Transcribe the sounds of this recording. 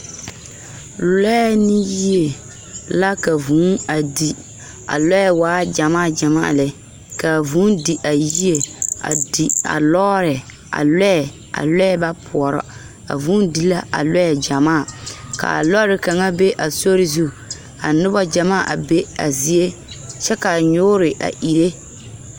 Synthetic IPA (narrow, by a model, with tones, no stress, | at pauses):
lɛ˦ɛ˦nɪ˦ji˦e˨ | la˦ka˨vũː˨˦na˨di˨ | a̰˨lɔ˦ɛ˨waː˨˦d͡ʒa˨maː˦˨d͡ʒa˨ma̰ː˦a̰˨lɛ˨˦ | ka˨vuː˨˦ndi˨ʔa˨ji˦e˨a̰˨di˨a̰˨lɔ˦ɾɪ˨ | a̰˨lɛ˦ɛ˨ | a̰˨lɛ˦ɛ˦ba˦pʰʊ˨ɔ˨ɾɔ̰˦ | a̰˨vũː˨˦ndi˦la˦a̰˨lɔ˦jɛ˨d͡ʒa˨maː˦˨ka̰˨a̰˨lɔ˦ɾɪ˨ka˨ŋa˦be˦ʔa˨so˦ɾɪ˦zu˦ | a̰˨nʊ˦bɔ˦d͡ʒa˨maː˦a˨ʔa̰˨be˦a̰˨zi˨e˦t͡ʃɛ˦ka˨ɲʊː˦ɾɪ˨ʔa̰˨ʔi˨ɾe˦